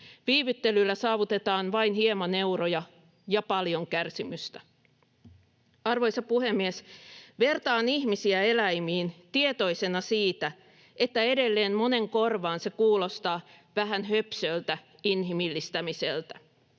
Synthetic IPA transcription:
ʋiːʋyt̪ːe̞lylːæsɑːʋut̪e̞t̪ɑːnʋɑinhiemɑne̞uɾojɑ | jɑpɑljo̞ŋkærsimyst̪æ | ɑrʋo̞jsɑpuhe̞mːiesʋe̞rt̪ɑːnihmisiæe̞læjmiːnt̪ie̞t̪o̞ise̞nɑsiːt̪æ | e̞t̪ːæede̞lːe̞ːnmo̞ne̞ŋko̞rʋɑːnse̞kuːlo̞st̪ɑːʋæɦænhø̞psølt̪æ | inɦimilːist̪æmiselt̪æ

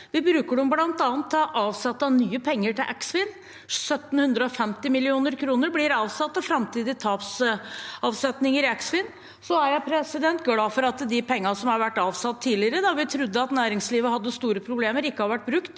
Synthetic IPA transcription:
ʋɪbɾʉːkəɖʊmblɑnt̪ɑːnt̪ʰːʔɑːʋsɛt̪ːɑnyːəpʰɛŋːəʈʰɪlʔæksʋɪn | sœt̪ːn̩hʉnd̪ɾəɔfɛmt̪ɪmɪlɪuːnəɾkʰɾuːnəɾblɪɾɑːʋsɑt̪ːɑfɾɑmt̪ʰiːd̪ɪt̪ʰɑːps | ɑʋsɛt̪nɪŋəɾɪæksfɪn | sɔæɾjæɪpʰɾɛsɪd̪ɛnt̪ɡlɑːfɔɾɑt̪d̪ɪpʰɛŋːəɑsɔmhɑɾʋæʈːɑːʋsɑt̪ʰːiːlɪəɾəd̪ɑʋɪt̪ʰɾʉd̪ːəɑt̪næːɾɪŋsliːʋəhɑd̪ːəst̪uːɾəpʰɾʊbleːməɾɪkːəhɑɾʋæʈ̚ːbɾʉkt̪

